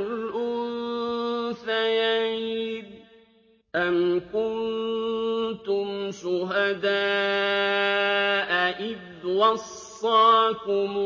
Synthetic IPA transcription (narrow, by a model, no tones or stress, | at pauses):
lʔʊn | θajaʕid̪̚ | ʔankʊnn | t̪ʊmʃʊɦad̪aː | ʔaʔɪð | wɑsː | ɑːkʊm